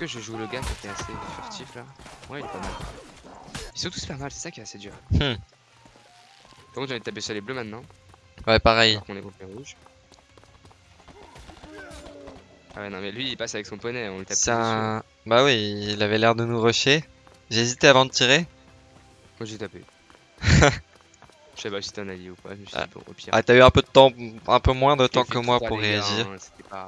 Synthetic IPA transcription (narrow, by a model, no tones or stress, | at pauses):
kəʒəʒuləɡakʲiet̪ɛasefyʁt̪ʰiflawɛilɛpamal | isɔ̃t̪u̥spaʁmalsɛ̥sakʲiɛased̪yʁm̩ | kɔ̃t̪ɑ̃vd̪̚t̪apesɛleblømɛ̃t̪nɑ̃ | wɛpaʁɛjʁkɔ̃nɛkɔ̃peʁuʒ | wɛnɔ̃mɛlɥiːpasavɛksɔ̃pɔnɛɔ̃it̪asɛɛ̃ | bawiːlavɛlɛʁd̪ənuʁɔʃe | ʒeezit̪eavɑ̃d̪ət̪iʁe | maʒet̪apḛ | ə̥sepasi̥t̪ɛ̃naljiupa̰mɛʒa̰ibɔ̰̃o̰piʔa̰t̪yayɛ̃pød̪ət̪ɑ̃ɛ̃pømwɛ̃d̪ət̪ɑ̃kəmwapuʁːeaʒiːʁse̥t̪ɛpa